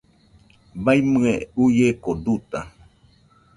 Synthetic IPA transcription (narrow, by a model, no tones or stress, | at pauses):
bajmɨeujekod̪ut̪a